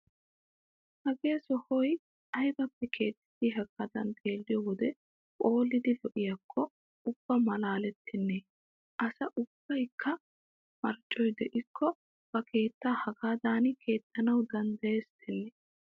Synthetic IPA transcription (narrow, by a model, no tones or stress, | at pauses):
hɐɡe̞ːsɔhɔj | ʔɐjbɐpːɛkʰe̞ːt̪ːɪ̥d̪iɦɐɡad̪ɐ̰nt̪ʰʼe̞ːlːɪjɔwɔd̪ɛ | kʼo̞ːlːɪd̪ɪlɔʔɪjɐkʰːɔ | ʊb̥ːɐmɐlaːlɛt̪ʰːɪnːe | ʔɐsɐʔʊb̥ːɐjkʰːɐ | mɐɾt͡ʃʼːɔjd̪ɛʔɪkʰːɔ | b̥ɐke̞ːt̪ːaːhɐɡaːd̪aːnkʰe̞ːt̪ːɐnɐwd̪ɐnd̪ɐeːst̪ʰɛnːɛ